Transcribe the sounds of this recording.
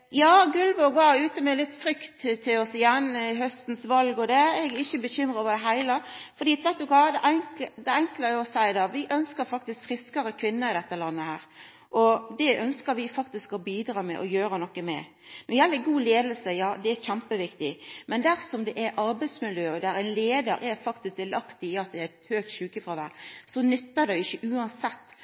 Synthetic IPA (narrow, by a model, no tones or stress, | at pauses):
jɑːɡʉlʋɔbɑːʉːt̪əmɛlɪt̪ːfɾʏkt̪t̪ʰːɪlɔsɪjɛnːɦœst̪n̩sʋɑlɡɔd̪ɛɛɡɛɪçəbəçʏmɾəʋɑːd̪ɛɦæɪləɾfɔd̪iːt̪ʋɛt̪ːʉkɑd̪ɛʔæŋd̪ɛɛŋkləɔsæɪd̪ɑːʋɪʔœnskəɾfɑkt̪ɪskfɾɪskəɾəkʰʋɪnːəɾɪd̪ɛt̪ːəlɑnːəhæːɾ | ʔɔd̪ɛʔœnskəɾʋɪfɑkt̪ɪskɔbiːd̪ɾɑːmɛ̰ʔɔjøːɾənɔkːəmɛ̰ | nɔjælːəɡuːleːd̪əlsəjɑːd̪ɛæçæmpəʋɪkt̪ɪmɛnd̪æɾsɔmd̪ɛʔɛɾʔɑɾbæɪd̪smɪljøːd̪æɾæɪnleːd̪əɾʔɛɾfɑkt̪ɪskʋɪlɑkt̪ɪɪɑt̪̚d̪ɛæt̪høːk̚t̪ɕʉːkəfɾɑʋæ̰ːɾsɔnʏt̪ːəd̪æɪɪçːəʔʉːɑnsɛt̪ː